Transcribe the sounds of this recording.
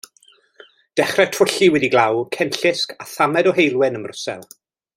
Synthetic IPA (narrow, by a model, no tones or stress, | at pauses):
d̥ɛχrɛtʰrʊɬiwɛdiɡlˠawkʰɛnɬɪskʰaθamɛdɔɦejlˠwɪnəmrʊsɛ̰lˠ